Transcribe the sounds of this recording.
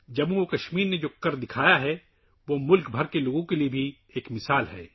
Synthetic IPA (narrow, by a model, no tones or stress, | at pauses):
d͡ʒɐbũokɐʃmiːɾned͡ʒoːkɐɾd̪ɪkʰaːjaɦɛ | ʋomʊlkbʱɐɾkeloːɡõkeliebʱi | eːkmɪsaːlɦɛ̰ː